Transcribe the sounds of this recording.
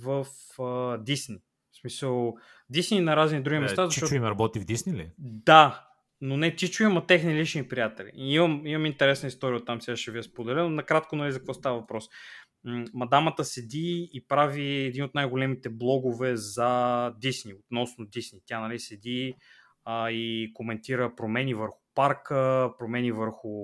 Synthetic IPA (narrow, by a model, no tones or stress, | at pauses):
vəf | əd̪isni | smisəlˠ | d̪isninɐɾaznid̪ɾuɡʲimɛst̪azɐʃʃɔt͡ʃuimɾɐbɔt̪ivd̪isnilḭd̪a | nonɛt̪it͡ʃuimɐt̪ɛxnilit͡ʃnipɾijat̪ɛlḭiməmimɐmint̪ɛɾɛsnəist̪ɔɾiəot̪ːamsɛɡaʃɛviɛspod̪ɛlɛnonɐkɾat̪̚konɐlizɐkək̪vɔst̪avɐvɐpɾɔs | mɐd̪amət̪əsɛd̪iːpɾaviɛd̪inot̪najɡolɛmit̪ɛblˠɔɡovɛzɐd̪isniot̪nɔsnod̪isnit̪janɐlisɛd̪i | ikomɛnt̪iɾəpɾomɛnivəɾxʊ̥paɾkəpɾomɛnivəɾxʊ